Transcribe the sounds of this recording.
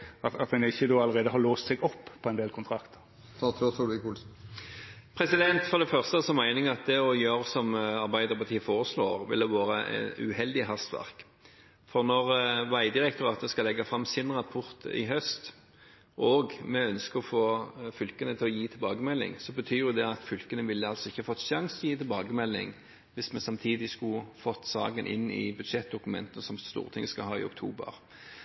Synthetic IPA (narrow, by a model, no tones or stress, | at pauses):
ɑt̪ɑt̪̚d̪ɛnɪçːəd̪oːɑləɾeːd̪əhɑɾloːst̪sɛɡɔpːpʰɔɛɪnd̪eːlkʰʊnt̪ʰɾɑkt̪ʰə̥ʁ | t̪ʰɑt̪ʰɾɔsulɪkuls | pʰɾɛsɪd̪ɛnt̪fɔʁd̪ɛfœʁst̪əsɔmæɪnɪŋɑt̪̚d̪ɛɔjøːɾsɔmɑʁbæɪd̪əʁpʰɑʁt̪ʰiːəfoːʁəsloːʁʋɪ̰ld̪ɛʋɑːɾəʔɛ̰nʉ̰hɛld̪ɪɦɑst̪ʋæ̰ʁk | fɔʁnɔʁʋæɪd̪ɪʁɛk̚t̪ʊɾɑːt̪əskɑlɛɡːɑfʁɑmsɪnʁɑpʰʊɾt̪ɪ̰ɦœst̪ | ʔɔɡmɛœnskəʁɔfoːfʏlkənət̪ʰɪlɔjiːt̪ʰɪlbɑːɡəmɛlːɪ̰ŋsɔbət̪ʰyːjʊd̪ɛɑt̪fʏlkənəʋɪlːəɑlsɔɪçːəɑfɔt̪ːʃɑŋsjiːt̪ʰɪlbɑːɡəmɛlːɪ̰ŋ | ʋɪsmɛnsɑmt̪ʰiːd̪ɪskʉfɔt̪ːsɑ̰ːɡənʔɪ̰nːɪ̰bʉd̪ʂɛt̪̚d̪ʊkʉmɛ̰nt̪ənəsɔmst̪ṵːʁət̪ʰɪŋːəskɑɦɑːɪ̰ʊ̰kt̪ʰuːbə̰ʁ